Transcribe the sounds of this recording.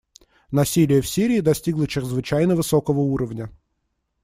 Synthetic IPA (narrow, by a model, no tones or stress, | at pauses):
nɐsʲilʲɪjəfsʲiɾʲɪːd̪ɐsʲtʲiɡlˠət͡ɕɪɾʲɪzvɨt͡ɕæjnəvɨsokəvəuɾəvnʲə